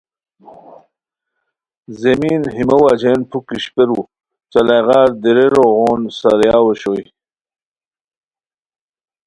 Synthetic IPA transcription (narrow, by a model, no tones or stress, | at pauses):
zemiːnɦimɐwad͡ʑeːnpʰukiɕpeɾu | t͡sɐlajʁaːɾd̪iɾeɾoɣoːnsaɾjaːwoɕoj